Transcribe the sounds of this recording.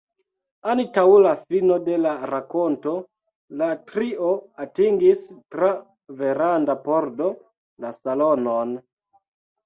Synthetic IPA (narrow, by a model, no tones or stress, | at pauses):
anitawulafino̞de̞laɾako̞nto̞ | latɾio̞atiŋɡistɾa | ve̞ɾandapo̞ɾdo̞ | lasalonon